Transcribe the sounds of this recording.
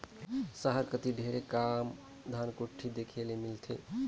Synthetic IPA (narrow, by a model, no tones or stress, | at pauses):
səɦəɾkət̪iɖʱeɾekam | d̪ʱankoʈʰːid̪ekʰelemilt̪ʰḛ